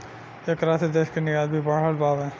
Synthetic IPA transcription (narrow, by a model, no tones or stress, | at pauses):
eːkɾaːt̪ʰed̪eːʃkenɪjaːd̪bʱibɐɽɦəlbaːʋɦɛ̃ː